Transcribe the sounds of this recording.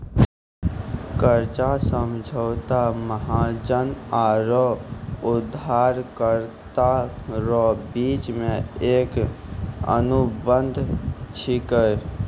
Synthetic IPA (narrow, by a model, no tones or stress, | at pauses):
kəɾt͡ʃasəmd͡ʒʱəʊt̪aməɦad͡ʒənaɾɔud̪ʱaɾkəɾt̪aɾɔbit͡ʃmeek | ə̰nubənd̪ʱt͡ʃʰikəj